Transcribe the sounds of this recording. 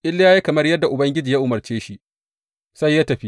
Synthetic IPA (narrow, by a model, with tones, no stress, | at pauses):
ʔɪ˦lːja˦ji˦kɐ˨mɐ˦rjɐ˦dːa˨ʔʊ˨bɐ˦ŋɡʲɪ˦d͡ʒiː˨ja˦ʔʊ˨mɐ˨rt͡ʃeː˦ʃi˦ | sa˦jːa˦tɐ˨ɸi˦